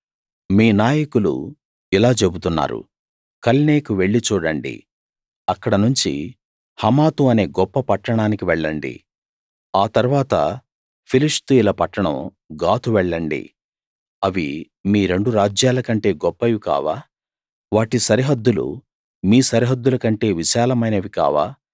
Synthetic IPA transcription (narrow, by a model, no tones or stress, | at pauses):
miːnaːjɐkulṵ | ilaːt͡ʃe̞but̪unːa̰ːɾṵ | kɐlne̞ːkuʋe̞ɭːit͡ʃuːɽɐɳɖḭ | ɐkːɐɽɐnuɲt͡ʃḭ | hɐmaːt̪uɐne̞ːɡɔpːɐpɐʈːɐɳaːnikiʋɛɭːɐɳɖḭ | aːt̪ɐɾuʋaːt̪ɐ̰ | pʰiliʂt̪uilɐpɐʈːɐɳɐ̰̃m | ɡaːt̪uʋɛɭːɐɳɖḭ | ɐʋi | miːɾe̞ɳɖuɾaːd͡ʒjaːlɐkɐɳʈe̞ːɡɔpːɐʋika̰ːʋaː | ʋaːʈisɐɾiɦɐd̪ːulṵ | miːsɐɾiɦɐd̪ːulɐkɐɳʈe̞ːʋiʃaːlɐmɐjnɐʋika̰ːʋa̰ː